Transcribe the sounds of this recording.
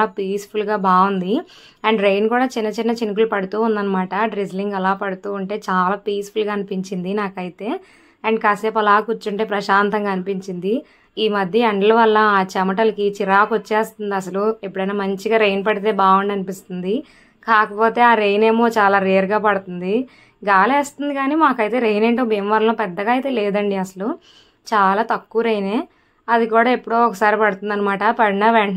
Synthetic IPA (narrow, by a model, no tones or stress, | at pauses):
aːpiːspʰulɡaːbaːʋund̪i | ɐɳɖɾejnkuːɽaːt͡ʃinːɐt͡ʃinːɐt͡ʃinik̬ulupɐɽut̪uːund̪ɐnːɐmaːʈɐɖɾizliŋɡɛlaːpɐɽut̪uːuɳʈe̞ːt͡ʃaːlaːpiːspulɡaːɐnipiɲt͡ʃind̪inaːkɐjit̪e̞ː | ɐɳɖkaseːpɐlaːkut͡ʃːuɳʈe̞ːpɾɐʃaːnt̪ɐŋɡaːɐnipiɲt͡ʃind̪i | iːmɐd̪ʱjɐɐɳɖɐlɐʋɐlːɐaːt͡ʃɐmɐʈɐlɐkit͡ʃiɾaːkot͡ʃːeːst̪und̪iɐsɐluepːuɽɐjnaːmɐɲt͡ʃiɡaːɾejnpɐɽit̪̬e̞ːbaːʋuɳɖɐnipist̪und̪i | kaːkɐpo̞ːt̪e̞ːaːɾe̞jne̞ːmo̞ːt͡ʃaːlaːɾeːɾɡaːpɐɽut̪und̪i | ɡaːleːst̪und̪ikaːniːmaːkɐjt̪e̞ːɾejneːɳʈoːmeːmʋɐlɐnɐːpɛd̪ːɐɡaːɐjt̪e̞ːlɛːd̪ɐɳɖiɐsɐlu | t͡ʃaːlaːt̪ɐkːuːɾejneː | ɐd̪ikuːɽaːe̞pːuɽo̞ːɔkɐsaːɾipɐɽut̪und̪ɐnːɐmaːʈɐpɐɽnɐʋeɳ